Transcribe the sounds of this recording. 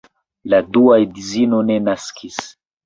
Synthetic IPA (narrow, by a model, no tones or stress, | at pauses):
laduajdizino̞nenaskʰis